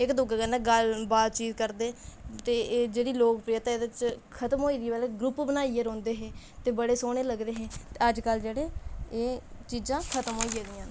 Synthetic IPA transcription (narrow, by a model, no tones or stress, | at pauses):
ɪkd̪ʊɡaːkəneːɡəlbaːd̪̚t͡ʃiːt̪kəɾd̪eːt̪eːd͡ʒeːɽiːloːkpɾijət̪ãːd̪ət͡ʃkʰət̪əmɦoːiːd̪ibɛleɡɾʊpbənaːieːɾõːnd̪eːɦeː | t̪eːbəɽeːsoːɽ̃eːləɡɾeːɦeːt̪eːəd͡ʒkəld͡ʒeːɽeːeːt͡ʃiːd͡ʒãːkʰət̪əmɦoːiːd͡ʒeːd̪ɪjãː